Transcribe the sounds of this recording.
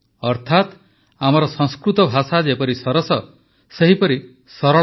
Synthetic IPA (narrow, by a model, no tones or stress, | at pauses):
ɔɾt̪ʰat̪ | amɔɾɔsɔ̃ŋskɾut̪ɔbʱasad͡ʒepɔɾisɔɾɔsɔ | seɦipɔɾi | sɔɾɔ